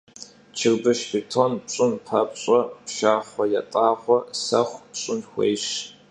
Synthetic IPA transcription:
t͡ʃʰɪrbɨʃpʰitʰonpɕʼʊnpʰɐpɕʼɔpʃaːχʷɔjatʼaːχʷɔsɐχʷɕʷʼʊnxʷḛjʃ

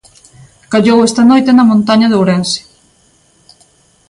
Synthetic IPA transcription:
kaʎowɛst̪ɐnojt̪enɐmõnt̪aɲɐðowɾense̥

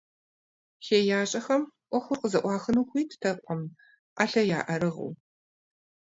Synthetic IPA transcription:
xeːjaːɕʼɐxɐmʔʷɔxʷʊrqəzɐʔʷɑːxɨnuːxʷiːtʰtʰɐpʷʼɔm | ʔaɬɐjaːʔɐɾɨʁṵː

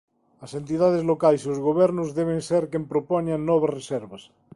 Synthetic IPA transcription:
ɐsent̪iðað̞ezlokajsiozɣoβ̞ɛɾnozðeβ̞enseɾkempɾopɔɲanːɔβazreseɾβɐs

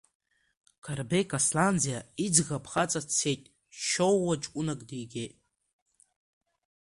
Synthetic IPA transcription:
kʰarbekʰʼasland͡zijaid͡zʁapʰχat͡sʼat͡sʰːe̞jtʼ | ʃowːat͡ʃʷʼunakʼdijɡʲe̞jtʼ

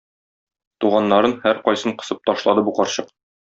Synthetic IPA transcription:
t̪uʁɑnːɑɾɤnhæɾqɒjsɤɴqɤ̆sɤp̚t̪ɒʃlˠɑd̪ɤbuqɒɾɕɤq̚

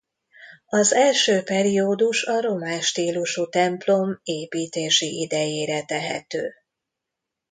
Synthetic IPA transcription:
ɒzɛlʃøːpɛɾioːd̪uʃɒɾo̞maːʃt̪iːluʃut̪ɛmplo̞meːpiːt̪eːʃiʔid̪ɛjeːɾɛt̪ɛɦɛ̰t̪øː

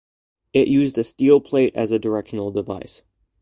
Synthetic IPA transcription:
ɪʔjʔʉzdɨstilˠpʰl̥eɪɾɨ̰zɨdə˞ɛkʃn̩l̩ˠdəvaɪs

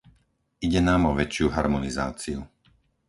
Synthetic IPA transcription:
iɟɛnaːmɔʋɛt͡ʃɪuɦaɾmɔniza̰ːt͡siu

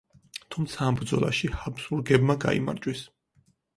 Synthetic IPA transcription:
t̪ʰumt̪sʰaːmbɾd̪zɔla̰ʃihabsuɾɡɛbmaɡa̰ḭma̰ɾt͡ʃʼwis

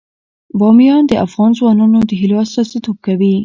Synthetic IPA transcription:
bɑmijɑnd̪əʔafɣɑnzwɑnɑnod̪əɦɪlɑst̪ɑset̪ʰop̚kawi

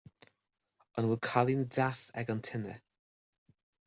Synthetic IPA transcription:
ənwɪlˠkʰalˠindasɛ̰ɡɔntʰɪnə̰

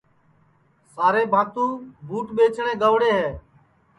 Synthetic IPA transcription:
saːɾeːbʱaːt̪ũːbʱuːʈɓeːt͡ʃʰɳ̃ẽːɡəʋɽeːɦɛː

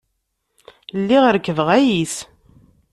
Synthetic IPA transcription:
lːiʁəɾkːəvəʁæjis

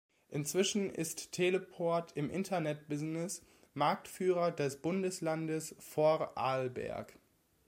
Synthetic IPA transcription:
ʔɪnt͡sv̥ɪʃn̩ɪ̰stʰːeləpʰɔɐtʰɪmʔɪntʰɐnɛt̚b̥ɪznɪs | maɐk̚tfyːʁɐdɛsb̥ʊndəslandəsfɔʁʔaːlbɛ̰ɐk

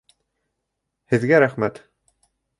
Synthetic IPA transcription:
hɘ̆ðɡæɾæχmæt̪

